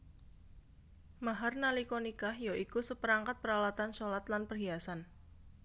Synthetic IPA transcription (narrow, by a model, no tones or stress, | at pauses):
maɦarnalikonikahjoʔikusəpəɾaŋkat̪̚pəɾawat̪ansolat̪lanpərɦiasan